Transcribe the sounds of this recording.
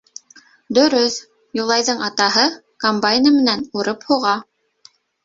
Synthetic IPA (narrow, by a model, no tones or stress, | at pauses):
d̪ɵ̆ɾɵθ | julˠɑjðɤɴɑt̪ɑɦɤ | kombajnəmɘ̆nænuɾɤphuʁɑ